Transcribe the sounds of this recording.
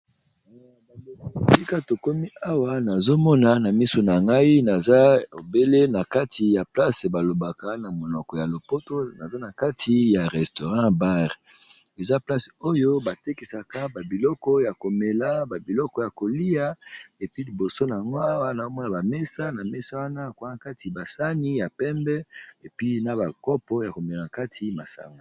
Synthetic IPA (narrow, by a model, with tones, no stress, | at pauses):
a˨o˨si˦ka˦to˨ko˦mi˦a˦wa˦na˨zo˦mɔ˦na˦na˨mi˦so˨na˨ŋɡa˦i˦na˨za˦o˨be˦le˦na˨ka˦tʰi˨ja˨pla˦se˨ba˨lo˨ba˨ka˦na˨mo˨nɔ˨kɔ˨ja˨lo˨po˦to˦na˨za˦na˨ka˦tʰi˨ja˨ʁɛ˨sto˨ʁã˦ba˦ʁ | e˨za˦pla˦so˦jo˦ba˨te˦ki˨sa˨ka˦ba˨bi˨lɔ˦kɔ˦ja˨ko˨me˨la˦ba˨bi˨lɔ˦kɔ˦ja˨ko˨li˦ja˦e˨pi˦li˨bo˨so˦na˨ŋɡa˦wa˦na˨o˦mɔ˦na˨ba˨mɛ˦sa˦na˨mɛ˦sa˦wa˦na˦˨ka˦na˨ka˦ti˨ba˨sa˦ni˦ja˨pɛ˦mbɛ˦e˨pi˦na˦ba˨kɔ˦pɔ˦ja˨ko˨me˨a˨na˨ka˦tʰi˦ma˨sa̰˨ŋɡa˨